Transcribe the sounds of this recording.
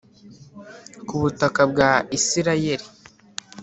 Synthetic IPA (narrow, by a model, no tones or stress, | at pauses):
kuβutakabɡaisiɾaje̞ɾi